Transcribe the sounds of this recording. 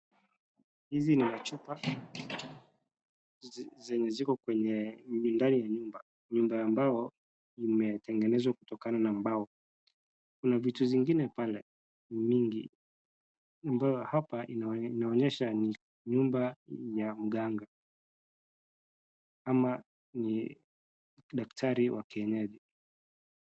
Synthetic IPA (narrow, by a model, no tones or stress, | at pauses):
hizinimat͡ʃupa | zɛɲɛzikɔkwɛɲɛundanijaɲumba | ɲumbaambajɔ | imɛtɛŋɡɛnɛzwaku̥tɔkananam̩baɔ | kunavituziŋɡinɛpalɛ | miŋɡḭ | ambajɔhapaʔininaɔɲɛʃani | ɲumbajam̩ɠaŋɡa | ama | ni | ɗaktʰaɾiwʔakɛɲɛɗi